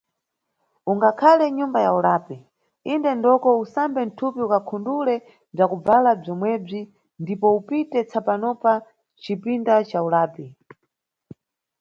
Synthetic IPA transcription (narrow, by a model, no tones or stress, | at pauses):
uŋɡakʰalɛɲumbajaulaːpi | indɛndɔkɔusambɛn̩tʰupiukakʰundulɛ | b͡ʐakub͡valab͡ʐɔmwɛb͡ʐi | ndipɔupitɛt͡sʰapanɔpa | t͡ʃipindat͡ʃaulaːpi